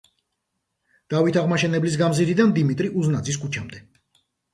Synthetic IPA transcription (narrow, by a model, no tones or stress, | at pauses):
d̪̥avit̪ʰaʁmaʃɛnɛblis̬ɡamzidɾid̪and̪imit̪ʼɾiʔuznad̪ziskʰut͡ʃʰamd̪ɛ